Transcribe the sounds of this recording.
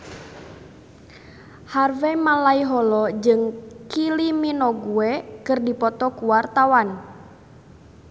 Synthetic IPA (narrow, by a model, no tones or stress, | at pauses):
harvɛmalaiɦɔlɔd͡ʒɨŋkiliminɔɡuɛkɨrdipɔt̪ɔkuwart̪awan